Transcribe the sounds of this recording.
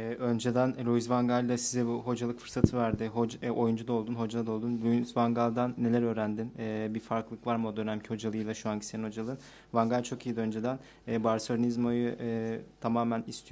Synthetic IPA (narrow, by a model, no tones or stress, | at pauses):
ɛːʔø̞nd͡ʒe̞d̪ænɾuizvaŋɡalʲd̪asizɛbuɦo̞d͡ʒalˠɯkfɯɾsat̪ʰɯvæɾd̪ɪɦoo̞jund͡ʒud̪ao̞lˠd̪unɦo̞d͡ʒaad̪aolˠd̪unɾujzvaŋɡalˠd̪anːe̞lʲæɾø̞ːɾænd̪inɛːbifaɾklˠɯkvaɾmo̞d̪ønæmcʰiho̞d͡ʒalˠɯjlˠaʃuaɲcʰiseniho̞d͡ʒalˠɯn | vaŋɡalʲt͡ʃʰo̞kijid̪iønd͡ʒed̪ænː | baɾso̞ɾnizmo̞juʔt̪ʰamaːmænist̪ʰij